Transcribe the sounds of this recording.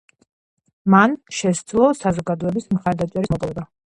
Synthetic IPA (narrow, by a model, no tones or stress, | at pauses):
manʃɛsd̪zlˠɔsazɔɡad̪ɔɛbismχaɾd̪at͡ʃʼɛɾismɔpʼɔɛba